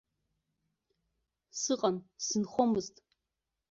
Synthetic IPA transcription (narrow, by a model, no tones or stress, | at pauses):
sɨqʼɐmsɨnχʷɔmɨztʼ